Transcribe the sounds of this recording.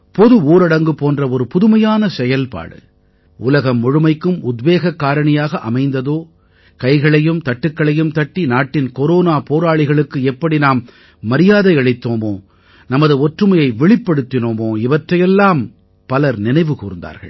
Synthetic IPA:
pɔðɯuːɾɐɽɐŋɡɯpoːndrɐɔɾɯpʊðɯmɐjaːnɐsɛjɐlpa̰ːɽɯ̰ | ʊlɐɣɐmːɔɻɯmɐɪkːɯmʊd̪ʋeːɣɐkːaːɾɐɳɐjaːɣɐʔɐmɐɪnd̪ɐðoː | kɐɪɣɐɭɐjɯmt̪ɐʈːɯkːɐɭɐjɯmt̪ɐʈːinaːʈːɪnkɔɾoːnaːpoːɾaːɭɪɣɐɭɯkːɯɛpːɐɽinaːmː | ɐɾɪjaːðɐɪɐɭɐɪt̪ːoːmoː | nɐmɐðɯɔʈrɯmɐjɐɪʋɛɭɪpːɐɽɯt̪ːɪnoːmoːɪʋɐʈrɐjɛlːaːm | pɐlɐɾnɪnɐɪʋɯkuːɾɯnd̪a̰ːɾɣɐ̰ɭ

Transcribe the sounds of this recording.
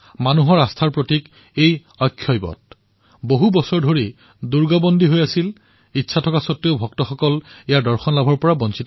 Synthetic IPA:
manuɦɔɹastʰaɹpɹotik | ej | ɔjkʰːjɔjbɔ̰t̚ | boɦubɔsɔɹdʱoɹi | duɹɡɔbɔndʱiɦojasil | itːsʰatʰɔkasɔtɹeʊbʱɔk̚tɔxɔkɔlejaɹdɔɹxɔnlabʱɔɹpɔɹabɔnsit

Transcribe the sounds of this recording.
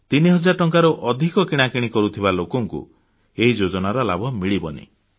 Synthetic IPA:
t̪iniɦɔd͡ʒaɾʈɔŋkaɾɔʔɔd̪ʱikɔkiɽ̃akiɽ̃ikɔɾut̪ʰibalokɔŋkṵ | eɦid͡ʒod͡ʒɔnaɾɔla̰bʱɔmiɭibɔnḭ

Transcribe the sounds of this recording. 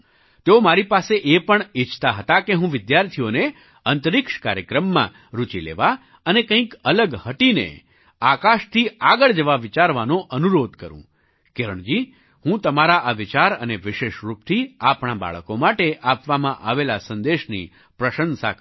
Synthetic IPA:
t̪eomaɾipaseʔepəɳɪt͡ʃʰt̪aɦət̪akeɦũʋɪd̪jaɾt̪ʰione | ənt̪əɾɪkʃka̰ɾjəkɾəmːã̰ | ɾut͡ʃilḛʋa | ənekə̃ĩkələɡhəʈinḛ | akaʃt̪ʰiaɡəɭd͡ʒəʋaʋɪt͡ʃaɾʋanoʔənuɾod̪kəɾṵ̃ | keɾəɳ̃d͡ʒi | hũt̪əmaɾaʔaʋɪt͡ʃaɾəneʋɪʃeʃɾup̚t̪ʰiapɳ̃aba̰ɭəkomaʈeʔapʋamãʔaʋelasənd̪eʃnḭ | pɾəʃənsa̰

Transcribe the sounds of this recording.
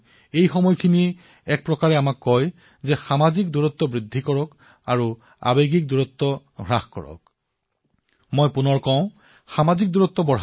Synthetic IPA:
ejxɔmɔjkʰini | ɛk̚pɹɔkaɹɛamakːɔj | zɛxamazik̚duɹɔt̪ːɔbɹid̪ʱːikɔɹɔk | a̰ɹu | a̰beɡik̚duɹɔt̪ːɔ | ɡʱɹaxkɔ̰ɹɔ̰k | mojpunɔɹkɔ̃ʊ̃ | xamazik̚duɹɔt̪ːɔbɔɦ

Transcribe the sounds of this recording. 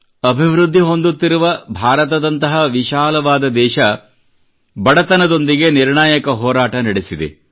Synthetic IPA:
ɐbʱiʋɾud̪ʱːiɦo̞nd̪ut̪ːiɾuʋɐbʱaːɾɐt̪ɐd̪ɐnt̪ɐɦɐʋiʃaːlɐʋaːd̪ɐd̪ɛːʃɐ | bɐɽɐt̪ɐnɐd̪o̞nd̪iɡe̞niɾɳaːjɐkɐɦɔːɾaːʈɐnɐɽesid̪ḛ

